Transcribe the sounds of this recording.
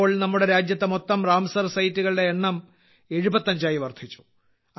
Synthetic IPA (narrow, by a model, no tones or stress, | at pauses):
oːɭnɐmːuɽe̞ɾaːd͡ʑjɐt̪ːemo̞t̪ːɐmraːmɐsɐrsɐjitːuɣɐɭɨɖeeɳːɐm | e̞ɻubɐt̪ːɐɲd͡ʑaːjiʋɐrd̪ʰʱit͡ɕːu̥